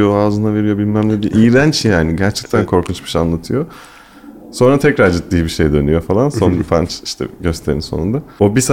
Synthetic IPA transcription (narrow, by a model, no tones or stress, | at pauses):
joaːzɯnave̞ɾijo̞bilʲmæmlʲɛbiʔiːɾænt͡ʃjaːniɟæɾt͡ʃʰɛ̥c̚t̪ʰænkʰo̞ɾkʰunt͡ʃmɯʃanlˠat̪ʰɯjo̞ | so̞nɾat̪ʰɛcɾaɾd͡ʒɯt̪ːiːbiʃejd̪ø̞nyjo̞falˠanso̞nbifa̰nt͡ʃi̥ʃt̪ʰɛ̰ɟø̞st̪ʰe̞ɾinso̞̰und̪aobis